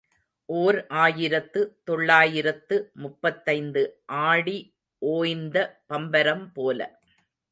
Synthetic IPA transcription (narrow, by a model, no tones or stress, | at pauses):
ʔoːɾʔaːjɪɾɐt̪ːɯt̪ɔɭːaːjɪɾɐt̪ːɯmʊpːɐt̪ːɐɪnd̪ɯʔaːɽi | ʔoːjnd̪ɐpɐmbɐɾɐmpoːlɐ̰